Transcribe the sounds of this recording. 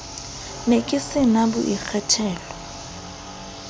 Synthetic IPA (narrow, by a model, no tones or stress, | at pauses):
nekʼɪsɪnabṵʔik͡xʰatʰɛːlɔ